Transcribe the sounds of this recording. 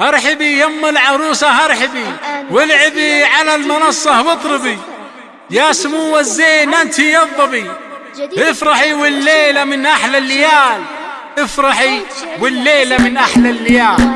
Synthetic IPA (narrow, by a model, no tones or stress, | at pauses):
hɑɾˤħɪbijamːalʕɑɾˤuːsahɑɾˤħɪbiwɪlʕɪbiʕalalmɑnɑsˤːɑhwɨt̪ˤɾɨbi | jasʊmuːwːazːeːnʔant̪ijɑðˤːɑbi | hɪfɾˤɑħiwɪlːeːlamɪnʔaħlalːɪjaːl | ʔɪfɾˤɑħiwɪlːeːlamɪnʔaħlalːɪjaːl